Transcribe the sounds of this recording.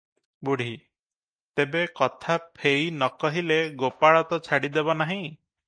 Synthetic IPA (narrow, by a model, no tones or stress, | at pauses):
buɽ̤i | t̪ebekɔt̪ʰapʰeinɔkɔɦileɡopaɭɔt̪ɔt͡ʃʰaɽid̪ebɔnaɦĩ